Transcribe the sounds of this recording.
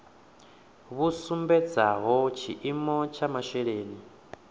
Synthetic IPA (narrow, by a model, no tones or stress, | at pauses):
βusumbɛd͡zaɦɔt͡ʃʰiʔimɔt͡ʃʰamaʃɛɺeːni